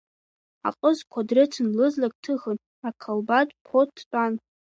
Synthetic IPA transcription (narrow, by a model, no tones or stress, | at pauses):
a̰qʼəzkʷʰadrɨtʰɨnlɨzlak̚ʼtʰɨxɨn | akʰalbatʼpʰotʰːtʷʼan